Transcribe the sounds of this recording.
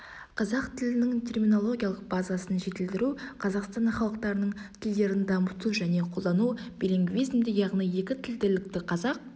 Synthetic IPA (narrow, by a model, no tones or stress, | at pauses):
qʰɑzɑqt̪ʰɪlɪnɪŋt̪ʲʰe̞rmʲino̞lˠo̞ɡʲijaɑlˠəq̚bɑzɑsənʒe̞t̪ɪld̪ɪɾuqʰɑzɑqst̪ɑnχɑlˠəq̚t̪ɑɾənəɴt̪ʲʰɪld̪e̞ɾɪnd̪ɑmət̪uʒæne̞qʰo̞lˠd̪ɑnubeɾeŋɡʲvizɪmd̪ɪjɑʁnije̞kʲɪt̪ʰɪld̪elɪk̚t̪ɪqʰɑzɑq̚